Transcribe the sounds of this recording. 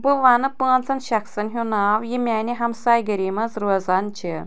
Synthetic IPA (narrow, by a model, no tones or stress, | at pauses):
bɨʋanɨpəːnt͡sɐnʃɐksɐnɦʲunaːwjimʲaːnʲiɦɐmsajɡəɾʲimɐzɾozant͡ʃʰi